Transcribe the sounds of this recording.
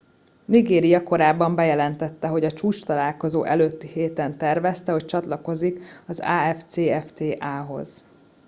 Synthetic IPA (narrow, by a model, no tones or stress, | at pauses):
niɡeːɾijɒko̞ɾaːbːɒmbɛjɛlɛnt̪ɛt̪ːɛɦo̞ɟɒt͡ʃuːt͡ʃt̪ɒlaːlko̞zoːʔɛløːt̪ːiheːt̪ɛnt̪ɛrvɛst̪ɛɦo̞c̚t͡ʃɒt̪lɒko̞zikɒza̰ːɛft̪seːɛft̪eːʔaːɦo̞̰z̥